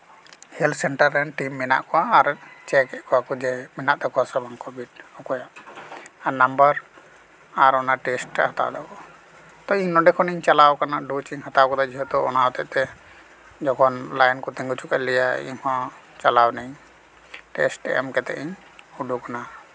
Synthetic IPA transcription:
hɛlt̪sɛɳʈəɾɛnʈimːɛna̰ʔkɔwaːɾt͡ʃɛkɛʔkɔwakɔd͡ʒɛmɛnaʔt̪ɛkɔwasɔbaŋkɔbitɔkɔjaʔ | anambəɾ | aɾɔnaʈɛsʈhat̪a̰d̪ɔkɔ | t̪ɔiɲnɔɖɛkʰɔniɲt͡ʃalawkanaɖut͡ʃiŋhat̪awkɔd̪ad͡ʒiɦɔt̪ɔɔnawt̪ɛʔt̪ɛ | d͡ʒɔkʰɔnlajnkɔt̪ɛŋɡut͡ʃʰukaʔlɛjaḭɲhɔ̃ | t͡ʃalawnɛɲ | ʈɛsʈɛ̰ʔɛ̰mkɛt̪ɛ̰ʔiɲ | uɖukana

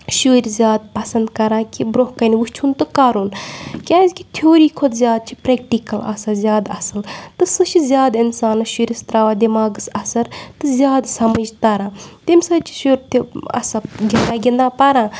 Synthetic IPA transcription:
ʃuːɾʲzʲjaːd̪̚pɐsɐnd̪kɐɾãːkibɾoɦkɐnʋuʃt͡ʃʰunt̪ɨkaːɾunkʲaːzʲkʲi̥t̪ʰjoːɾiːkʰod̪zʲaːd̪̚t͡ʃʰi̥pɾek̚ʈikɐlɐ̰sɐzʲjaːd̪ɐ̰sɐlt̪ɨsɨt͡ʃʰizʲjaːd̪insaːnɨʃuɾʲist̪ɾaːʋaːd̪imaːɡɨsɐsɐɾt̪ɨzʲjaːd̪sɐməd͡ʒt̪ɐɾãːt̪imʲsɐt͡ʃʰi̥ʃuɾt̪ʰiɐ̰sɐɡʲind̪aːɡʲind̪aːpɐɾãː

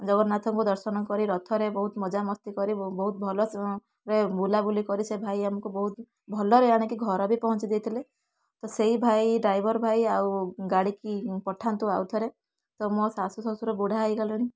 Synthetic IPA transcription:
d͡ʒɔɡɔnat̪ʰɔŋkud̪ɔɾsɔnɔkɔɾiɾɔt̪ʰɔɾebɔɦut̪mɔd͡ʒamɔst̪ikɔɾibɔɦut̪̚bʱɔlɔ | ɾebulabulikɔɾisebʱajamɔkubɔɦut̪ | bʱɔlɔɾeaɽ̃ekiɡʱɔɾɔbipɔɦɔnt͡ʃid̪et̪ʰile | t̪ɔseɦibʱajɖɾajbʱɔɾbʱajawɡaɽikipɔʈʰant̪uawt̪ʰɔɾe | t̪ɔmɔsasusɔsuɾɔbuɽ̤ʱaːjɡalɔɽ̃i

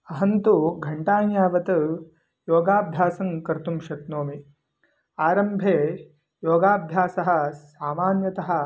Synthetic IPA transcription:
ɐɦɐnt̪uɡʱɐɳʈaːnjaːʋɐt̪ɐ | joːɡaːbʱjaːsɐŋkɐɾt̪umʃɐt̪noːmi | aːɾɐmbʱeː | joːɡaːbʱjaːsɐɦɐ̆saːmaːnjɐt̪ɐɦɐ̆

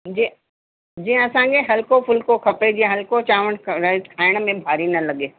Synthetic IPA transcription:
d͡ʒi | d͡ʒĩɐsãːŋɡeɦɐlkopʰʊlkokʰɐped͡ʒiẽɦɐlkot͡ʃaːʋəɽɾaɪzkʰaːɪɽ̃mẽbʱaːɾinɐlɐɡeː

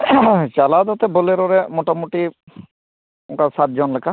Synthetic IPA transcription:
t͡ʃalad̪ɔt̪eboleɾɔɾemɔʈamuʈi | ʊ̃ŋkasat̪̚d͡ʒɔnlekʰa

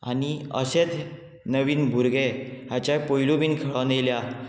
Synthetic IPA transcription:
a̰niə̰ɕet̪ | nəʋiːnbʱuɾɡeɦat͡ɕapəilubiːnkʰəɭanelja

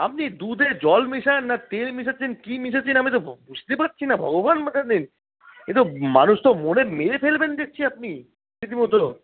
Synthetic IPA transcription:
apnid̪ud̪ʱed͡ʑɔlmiʃanːat̪elmiʃ̬at͡ɕʰenkimiʃ̬at͡ɕʰinaamit̪̬obud͡ʑʱt̪epat̚ːt͡ɕʰinabʱɔ̰ɡobanmit̪ʰad̪in | et̪omanuʃt̪omonemeɾepelbend̪ek̚t͡ɕʰiap̚ni | it̪̬imɔt̪o

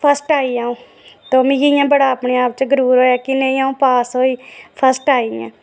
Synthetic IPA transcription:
pʰəsʈaːiːaːũː | t̪oːmɪ̃ijãːbəɽaːəpɳeːaːp̚t͡ʃɡəɾuːɾɦoːjaːkɪnẽːiːãːũːpaːsɦoːiːpʰəsʈaːiã̰ː

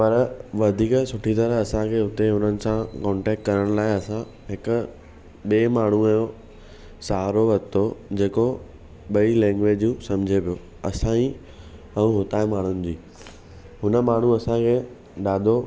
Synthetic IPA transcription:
pɐɾʋɐd̪ʱiːksʊʈʰit̪ɐɾəɦɐsãkʰeʊt̪eɦʊnənɪ̆sãkɔ̃ːɳʈɛːk̚ʈ̚kɐɾəɽ̃laːɪɐsã | ɦɪkʊ̆ | ɓeːmaːɳ̤ũjo | saːɦɾoʋɐt̪ʰod͡ʑeːko | ɓɐilɛ̃ːŋɡʋeːd͡ʑũsɐ̃md͡ʑʱepijoː | ɐsãĩ | ɐũɦʊt̪aːemaːɳ̤ʊnɪ̆d͡ʑiː | ɦʊnə̆maːɳ̤uɐsãkʰeː | ɗaːd̪ʱo

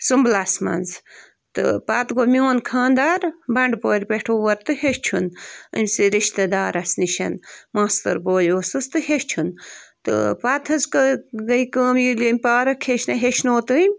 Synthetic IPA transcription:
sumblasmɐ̰nz | t̪ɨ̰pat̪ɡomioːnkʰãːnd̪aːɾbɐɳɖpoːɾʲpeʈʰoːʋɐɾt̪ɨɦeʃt͡ʃʰunɨ̰mʲsiɾiʃt̪ɐd̪aːɾɐsniʃɐ̰nmaːst̪ɐ̰ɾboːjoːsɨst̪ɨheʃt͡ʃʰunt̪ɨ̰pat̪ʰɐzkɡɐjkəːmjilimʲpaːɾɐkʰːeʃnɐɦeʃnoːt̪ɨmʲ

